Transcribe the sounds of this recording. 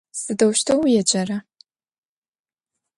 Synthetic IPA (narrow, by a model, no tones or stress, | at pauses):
sɨdɐwʃtʰɐwjɛd͡ʒʼɐrɐ